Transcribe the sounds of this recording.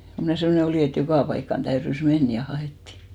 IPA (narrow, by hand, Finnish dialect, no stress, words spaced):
ko mnæˑ semːŏne oliˑ et jokɑˑ pɑikːɑn tæyrys men jɑ hɑeˑtːiˑ